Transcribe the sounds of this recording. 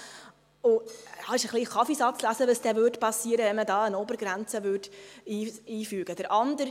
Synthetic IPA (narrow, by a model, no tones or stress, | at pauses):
ʊhɑɪʃəχliχɑfisɑt͡slæsəʋəsd̥̪ɛʋøːtpɑsːiːəɾəʋɛnmədɑːənobəɾɡɾænt͡səʋøːdiːiːfyːɡ̥əd̥̪əɾʔɑnd̪əɾ